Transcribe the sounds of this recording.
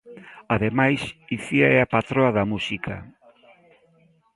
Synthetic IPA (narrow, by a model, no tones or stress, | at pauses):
aðemajsiθiaeapat̪ɾoɐðɐmusikʰɐ̰